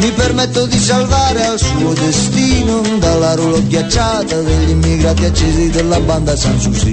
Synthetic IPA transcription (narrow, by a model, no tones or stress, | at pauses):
mipeɾmɛt̪ːod̪is̬alvaːɾealsuːod̪est̪iːnod̪alːaɾolokjat͡ʃːaːt̪ad̪elːimːiɡɾaːt̪jat͡ʃezid̪elːaband̪asansusi